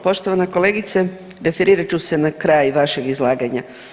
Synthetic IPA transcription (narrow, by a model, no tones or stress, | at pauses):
po̞ʃt̪o̞ʋaneko̞leːɡit̪se | ɾefeɾiːɾat͡ɕuse̞nakɾajʋaʃeɡizlˠaːɡaɲa̰